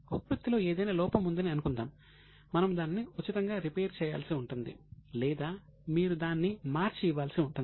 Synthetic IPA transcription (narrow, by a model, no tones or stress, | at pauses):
oppɐt̪ːilo̞ːe̞ːd̪ɐjnaːlɔːpɐmund̪ɐniɐnukund̪a̰ːmː | ɐnɐmud̪aːnniut͡ʃːit̪ɐŋɡaːɾipeːɾt͡ʃɛːja̰ːlsiuɳʈund̪ḭlɛːd̪aːmiːɾud̪aːnːimaːɾt͡ʃijʋaːlsiuɳʈuni